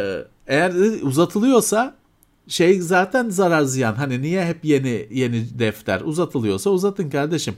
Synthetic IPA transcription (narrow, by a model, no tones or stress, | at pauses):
e̞jæɾuzat̪ʰɯlˠɯjo̞ɾsa | ʃejzaːt̪ʰænzaɾaɾzɯjanɦaninijɛɦɛpje̞nije̞nid̪ɛft̪ʰæ̰ɾuzat̪ʰɯlˠɯjo̞ɾsauzat̪ʰɯnkʰaɾd̪e̞ʃim